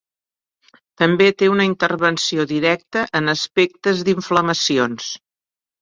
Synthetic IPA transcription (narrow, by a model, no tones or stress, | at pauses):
t̪əmbet̪eunəint̪ərβənsioðiɾɛk̚t̪əʔənəspɛk̚t̪əzðiɱfləməsions